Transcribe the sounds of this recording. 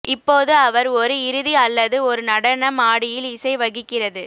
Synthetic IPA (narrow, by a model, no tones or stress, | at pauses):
ɪpːoːðɯɐʋɐɾɔɾɯɪɾɯðiɐlːɐðɯɔɾɯnɐɽɐnɐmaːɽɪjɪlɪsɐɪʋɐɣɪkːɪrɐðɯ